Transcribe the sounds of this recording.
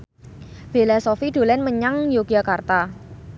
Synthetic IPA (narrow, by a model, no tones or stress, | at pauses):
b̥e̤lasofid̪̥o̤lɛnməɲaŋjoɡiakart̪a